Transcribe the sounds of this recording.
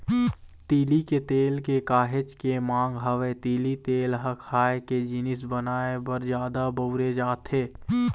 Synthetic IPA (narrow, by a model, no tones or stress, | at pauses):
t̪iːliket̪eːlkekaːɦɪt͡ʃkemãːŋɡɦɐʋet̪iːlit̪eːlɦɐkʰaːeked͡ʒɪnɪs̬bənaːebɐɾd͡ʒjaːd̪abəʊɾed͡ʒaːt̪ɦeː